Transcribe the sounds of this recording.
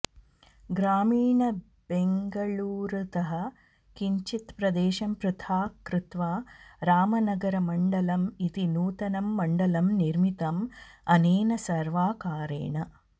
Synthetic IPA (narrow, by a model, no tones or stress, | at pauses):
ɡɾaːmiːɳɐ | b̥eŋɡɐɭuːɾt̪ɐɦɐ | kiɲt͡ʃit̪pɾɐd̪eːʃɐmpɾɨt̪ʰaːkɾɪt̪ʋaːɾaːmɐnɐɡɐɾɐmɐɳɖɐlɐmit̪inuːt̪ɐnɐmːɐɳɖɐlɐmniɾmit̪ɐmɐneːnɐsɐɾʋaːkaːɾḛːɳɐ